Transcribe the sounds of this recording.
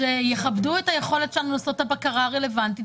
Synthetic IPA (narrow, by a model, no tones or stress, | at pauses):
ejeχabduetaje̞χo̞le̞tʃelanulaso̞thabakaʁaːʁe̞le̞vanti